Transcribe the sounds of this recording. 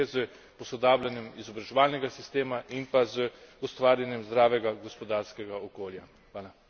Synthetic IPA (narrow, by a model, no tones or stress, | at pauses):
ɛzə | pɔsɔd̪aːblanjɛmizɔbɾaʒɛʋaːlnɛɡasist̪eːmaʔinpazəust̪ʋaːɾjanjɛmzd̪ɾaːʋɛɡaɡɔspɔd̪aːɾskɛɡaɔkoːlja | xʋaːla